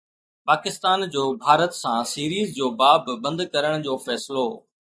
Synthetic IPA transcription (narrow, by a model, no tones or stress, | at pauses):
paːkɪst̪aːnd͡ʑoːbʱaːɾət̪sãːsiːɾiːzd͡ʑoːbaːbɪbɐ̃nd̪kɐɾəɽ̃d͡ʑoːfɛːsɪlo